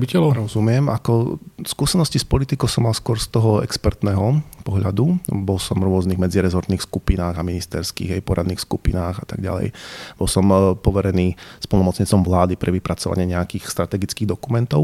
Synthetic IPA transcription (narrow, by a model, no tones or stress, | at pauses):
bicɛlɔɾɔzumɪɛmakɔskuːsɛnɔscispɔlit̪ikɔʊsɔmːalskʊɔɾst̪ɔɦɔɛ̰kspɛɾt̪nɛːɦɔpɔɦʎad̪ubɔlsɔmɾʊɔzniːɣmɛd͡ziɾɛzɔɾt̪niːxskupinaːɣaminist̪ɛɾskḭːɣajpɔɾad̪niːxskupḭnaːɣat̪a̰ɡɟa̰lɛ̰jb̥ɔlˠsɔmpɔʋɛɾɛniːspɔl̩nɔmɔt͡sɲit͡sɔmʋlaːd̪ipɾɛʋipɾat͡sɔʋa̰ɲɪɛɲɛakiːxst̪ɾat̪ɛɡit͡skiːɣd̪ɔkumɛnt̪ɔʊ